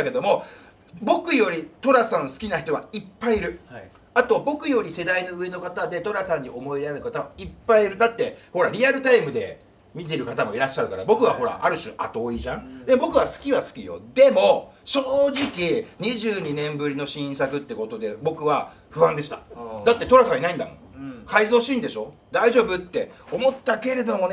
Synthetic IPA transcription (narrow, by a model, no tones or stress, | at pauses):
ake̞d̪o̞mo̞ | bo̞kɯ̟jo̞ɾʲit̪o̞ɾasãɰ̃sɨ̥kʲinaçi̥t̪o̞βa̰ipːaiiɾɯ̟ | at̪o̞bo̞kɯ̟jo̞ɾʲise̞d̪aino̞ɯ̟e̞no̞kat̪ad̪e̞t̪o̞ɾasãɲ̟ːiʔo̞mo̞iɾeaɾɯ̟kat̪aβaipːaiiɾɯ̟d̪at̪ːe̞ho̞ɾaɾʲiaɾɯ̟t̪aimɯ̟d̪e̞ | mʲit̪̬e̞ɾɯ̟kat̪amo̞iɾaɕːaɾɯ̟kaɾabo̞kɯ̟βaɦo̞ɾa̰ʔaɾɯ̟ɕɨʔa̰t̪o̞ːiʑãŋ̃d̪e̞mobo̞kɯ̟βasɨ̥kʲiβasɨ̥kʲijo̞̰d̪e̞mo̞ɕoːʑikʲiɲ̟iʑɨːɲ̟inẽ̞mbɯ̟ɾʲino̞ɕĩɰ̃sakɯ̟t̪ːe̞ko̞t̪o̞d̪e̞bo̞kɯ̟βa | ɸɯ̟ãnd̪e̞ɕi̥t̪ad̪at̪ːe̞t̪o̞ɾasãβ̃inaĩnd̪amo̰ | kʰaizo̞ːɕĩːnd̪e̞ɕo̞ | d̪aiʑo̞ːbɯ̟t̪ːe̞omo̞t̪ːake̞ɾe̞d̪o̞mo̞n